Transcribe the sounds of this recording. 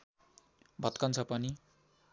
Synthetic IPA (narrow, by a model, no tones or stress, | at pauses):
bʱʌt̪kʌnt͡sʰʌpʌni